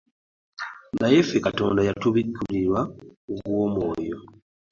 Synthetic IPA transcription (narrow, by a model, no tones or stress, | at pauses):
ŋɡajefekato̞̰ːndajatuβiɡuliɾwauɡwoːmwo̞ːjo